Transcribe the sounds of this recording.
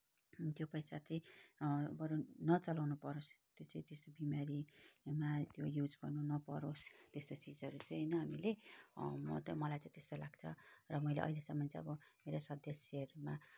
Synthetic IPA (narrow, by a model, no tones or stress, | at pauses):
t̪jopʌjsat͡saĩ | bʌɾunʌt͡sʌlawnupʌɾost̪jot͡sãĩt̪est̪obimaɾimat̪jojud͡zɡʌrnunʌpʌɾost̪est̪ot͡sid͡zʌɾut͡sãĩɦjnʌɦamile | mʌ̰t̪ʌ̃mʌlajt͡sãĩt̪est̪olaɡt͡sʰʌrʌmʌilḛʔʌ̰ilesʌmːʌnt͡saj̃ʌbʌmeɾosʌd̪ʱjʌserma